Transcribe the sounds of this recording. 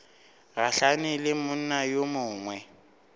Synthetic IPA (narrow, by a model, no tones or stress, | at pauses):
ɣaɬanɪlɪmʊn̩najomʊːŋwɛ